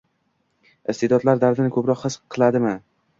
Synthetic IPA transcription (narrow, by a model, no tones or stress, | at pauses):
ɪst̪ʰed̪ɒt̪laɾd̪aɾd̪ɪnɪkʰɵpɾɒqhɨsqʰɨlˠad̪ɪmɪ